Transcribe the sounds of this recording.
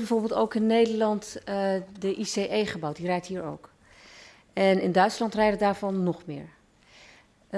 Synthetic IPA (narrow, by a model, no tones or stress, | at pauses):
bɛjvoːɹbɪːlˠtowkɪnːejdəɹlɑnt | dəʔiseːʔejχəbawtdirɛjtɦiːɹo̰wk | ɛnɪndœɥtslɑntrɛjdədaːɹvɔnːɔχmɪ̰ːɹ